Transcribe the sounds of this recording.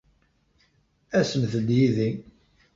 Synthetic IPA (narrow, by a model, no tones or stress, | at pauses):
æsəmθəd̪jiði